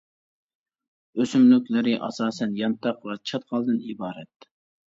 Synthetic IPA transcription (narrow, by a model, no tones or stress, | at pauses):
øsymlykʲlɪɾɪʔɑ̰sɑːsɛnjɑnt̪ʰɑqvɑt͡ʃʰɑt̪qɑlˠd̪ɨnibɑːɾɛt̪̚